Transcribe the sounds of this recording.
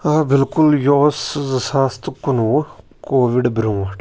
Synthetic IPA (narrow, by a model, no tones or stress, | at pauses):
aːbɪlkʊljoːszɐsaːst̪kʊnu | koːʋiɖbɾũːaʈ